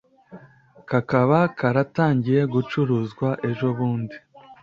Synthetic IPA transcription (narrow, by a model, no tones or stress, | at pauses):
kakaβakaɾataːɲɟije̞ɡut͡ʃuɾuzɡwaʔe̞ʒo̞βuːndi